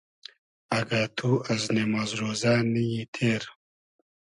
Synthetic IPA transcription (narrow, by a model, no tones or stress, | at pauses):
ɐɡat̪ʰuɐznemazɾoːzaːnijit̪ʰeːɾ